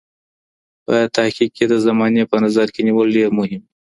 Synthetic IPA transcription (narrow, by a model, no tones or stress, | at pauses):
pət̪ahkik̚ked̪əzamɑnepənazaɾkeniwəlɖeɾmʊɦɪm